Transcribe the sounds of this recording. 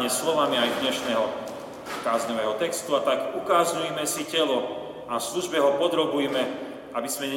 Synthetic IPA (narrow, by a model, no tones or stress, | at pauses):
ɲɛslɔʋamiajd̪ɲɛʃnɛɦɔ | kaːzɲɔʋɛːɦɔt̪ɛkst̪uat̪akukaːzɲujɛmɛsicɛlɔ | afsluʒbɛɦɔpɔd̪ɾɔbujmɛ | abizmɛɲɛ